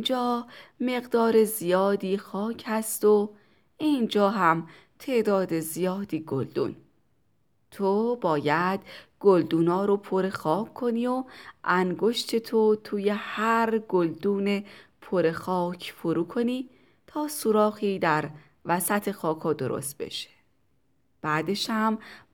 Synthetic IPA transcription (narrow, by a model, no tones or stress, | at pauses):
ind͡ʒɒːme̞ɣd̪ɒːɾe̞zijɒːd̪iːxɒːcʰhæst̪o̞ | ind͡ʒɒːɦæm | t̪ʰe̞ʔd̪ɒːd̪e̞zijɒːd̪iːɡold̪ṵːn | t̪ʰobɒːjæd̪̥ɡ̥old̪uːnɒːɾo̞pʰoɾe̞xɒːkʰːo̞niːoʔæŋɡo̞ʃt̪ʰe̞t̪ʰot̪ʰuːje̞hæɾɡold̪uːnepʰoɾe̞xɒːcʰfoɾuːkʰo̞niː | t̪ʰɒːsuɾɒːɣiːd̪æɾ | væsæt̪ʰe̞xɒːkʰɒːd̪o̞̰ɾo̰st̪̚be̞̰ʃe̥ | b̥æd̪e̞ʃhæm